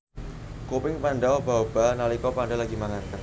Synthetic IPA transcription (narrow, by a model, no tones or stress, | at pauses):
kopɪŋpaɳɖaɔbawb̥analikɔpaɳɖalaɡimaŋank̪ar